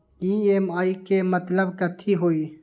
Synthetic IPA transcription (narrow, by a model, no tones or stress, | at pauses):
ieːmaːikemət̪ləbkət̪ʰiɦoːiː